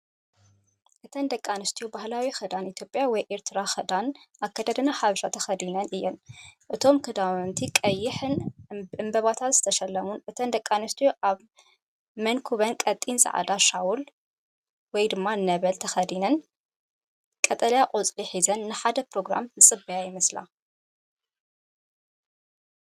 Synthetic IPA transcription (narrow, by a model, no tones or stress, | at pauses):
ʔɨt̪ʰɐnd̪ɐkʼːanɨst̪ʰijubahlawixɐd̪anit̪ʰjo̞pʼjawɔjʔeɾt̪ʰɨɾaxɐd̪anʔakʰːɐd̪ɐd̪ɐnaħaβʃat̪ʰɐxɐd̪inɐnɨjːɛnʔɨt̪ʰo̞mkʰɨd̪awnt̪ʰikʼɐjːɪħɨnɨmbɐβat̪ʰat̪z̥ɨ̥t̪ʰɐʃɐlːɐmunʔɨt̪ʰɐnd̪ɐkʼːanɨst̪ʰijuʔaβ | mɐnkʰuβɐnkʼɐt̪ʼːinsʼɐ̰ʕa̰d̪aʃawul | wɔjd̪ɨmːanɐβɐlt̪ʰɐxɐd̪inɐn | kʼɐt̪ʼɐljaqʼot͡sʼliħizɐnːɨħad̪ɐpɾo̞ɡɾa̰mzɨsʼɨbɐjajɪmɐsla̰